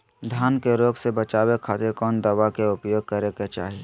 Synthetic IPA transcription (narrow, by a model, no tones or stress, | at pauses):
d̪ʱjaːnkeɾoːɡsebət͡ʃaːwekʰaːt̪ɪɾkɔːnd̪əʋakeʊpjoːɡ̚kəɾeket͡ʃa̰ːɦie